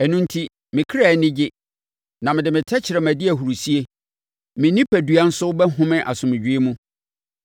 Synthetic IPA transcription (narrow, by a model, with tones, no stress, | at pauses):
ɛ˨nũ˦n˦tʰi˦ | mɪ̃˨kʰɾa˨nɪ̃˦d͡ʑɪ˦ | nã˨mɪ̃˨dɪ˨mɪ̃˨tʰɛ˦t͡ɕʰɪ˨ɾɛ˨mæ̃˨dɪ˦æ˨hu˨ɾu˨si˦e˦ | mɪ̃˨nĩ˦pʰæ˨du˨a˦n̩˦sʊ˦bɛ˦ɦʊ̃˦mɪ̃˦ʔa˨sʊ̃˨mɪ̃˨d͡ʑᶣi˦e˦mũ˦